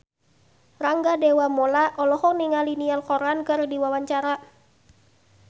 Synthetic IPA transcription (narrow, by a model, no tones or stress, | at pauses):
raŋɡadewamɔlaʔɔlɔhɔniŋalinialkɔɾankɨrdiwawaɲt͡ʃaɾa